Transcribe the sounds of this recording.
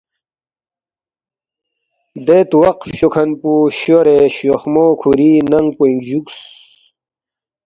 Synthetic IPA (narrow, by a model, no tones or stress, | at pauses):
d̪et̪uwɐqfɕokʰɐnpuɕoɾeɕoxmokʰuɾinɐŋɡ̚poiŋɡd͡ʑuks